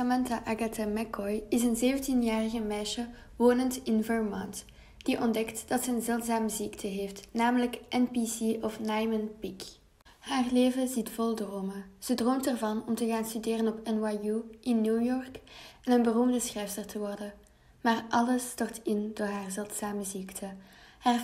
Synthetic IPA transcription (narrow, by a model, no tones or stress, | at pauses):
amɛntaʔaɡatamɛkɔjɪsənzeːvəntinjaːrəɣəmɛːʃə | ʋoːnəntɪnvəɹmɔnt | d̥iʔɔndɛktd̥ɑtsɛənzɛlˠtsaːməziktʰəɦeːftnaːmələkʔɛnpisiɔfnajmənpik | haːrleːvəzitfɔlˠdroːməz̥ədroːmtərvɑnɔmtəɣaːnstydeːrənɔpɛnwajuʔɪnːuːjɔrkɛnənbərumdəsxɛjfsərtʰəʋɔrdə | maːrʔɑləstɔrtɪndoːɹɦaːrzɛlˠtsaːməziktʰəhaːr